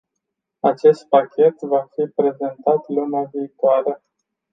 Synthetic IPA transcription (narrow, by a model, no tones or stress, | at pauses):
at͡ʃe̞st̪̚pakʲʰe̞t̪vafipɾe̞ze̞nt̪at̪lumaviːt̪oaɾə